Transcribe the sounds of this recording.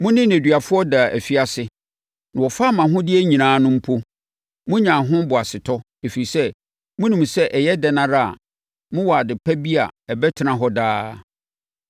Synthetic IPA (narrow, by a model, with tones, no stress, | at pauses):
mʊ̃˦nɪ̃˦æ˨dɥa˨fʊ˦ɔ˦da˨ʔæ̰˨fi˦a˨sɪ˨ | nã˨wɔ˨fa˦mã˨ɦʊ̃˦dɪ˦æ˦ɲĩ˨nãː˨˦nʊ̃˦m̩˦pʰo˦ | mʊ̃˦ɲã˨ɦʊ̃˦bʊ˨a˨sɪ˨tʰɔ˦ | e˨fi˨ɾi˨sɛ˦ | mʊ̃˦nĩ˨m˨sɛ˦ʔɛ˨jɛ˦dɛ˨nã˦ɾa˦˨a̰˨ | mʊ̃˦wɔ˨a˨dɪ˨pʰæ˦bi˦a̰˨ɛ˨bɛ˦tʰɪ˨nã˨ɦɔ˦daː˦